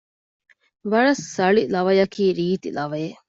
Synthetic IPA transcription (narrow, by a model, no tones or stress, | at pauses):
ʋɐɭɐsːɐɭilɐʋɐjɐkiːɾiːt̪ḭlɐʋɐje